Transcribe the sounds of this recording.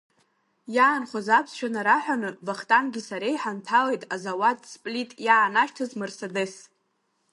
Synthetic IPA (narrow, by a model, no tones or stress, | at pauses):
jaːnχʷozapʰsʃʷᶣanaɾaħʷᶣanɨvaχtʼanɡʲɨsaɾejħantʰalejtʼazawatʼspʼlitʼjaːnaʃtʰɨzmɨrsadɨs